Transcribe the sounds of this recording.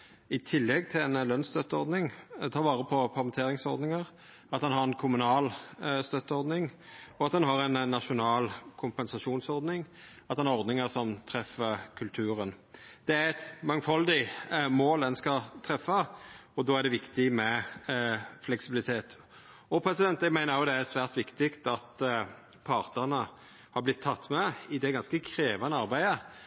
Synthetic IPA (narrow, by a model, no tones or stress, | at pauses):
ɪt̪ʰɪlːɛɡt̪ʰɪlɛnlœnst̪œt̪ːəɔɾd̪nɪŋt̪ʰɑːʋɑːɾəpʰɔpʰɑɾmɛnt̪ʰeːɾɪŋsɔɾd̪nɪŋəɾ | ɑt̪̚d̪ɛnɦɑɾɛnkʰʊmʉnɑːlst̪œt̪ːəɔɾd̪nɪŋɔɑt̪̚d̪ɛnɦɑɾɛnnːɑʂʊnɑːlkʰʊmpɛnsɑʂuːnsɔɾd̪nɪŋɑt̪d̪ɛnɑʁɔɾd̪nɪŋəsɔmt̪ʰɾɛfəkʰʉlt̪ʰʉːɾən | d̪̥ɛæɾɛt̪mɑŋfɑld̪ɪmoːlɛnskɑt̪ʰɾɛfːɑɔd̪ɔːæɾɖ̪ɛʋɪkt̪ɪmɛ | flɛksɪbɪlɪt̪ʰeːt̪ | ɔpʰɾɛsɪd̪ɛnt̪ɛɡmæɪnəɾjʊd̪ɛæɾsʋæːʁt̪ʋɪkt̪ɪkt̪ɑt̪ | pʰɑɾt̪əʁnə | hɑblɪt̪ʰːɑt̪ːmɛɪd̪ɛɡɑnskəkʰɾeːʋɑnəɑʁbæɪə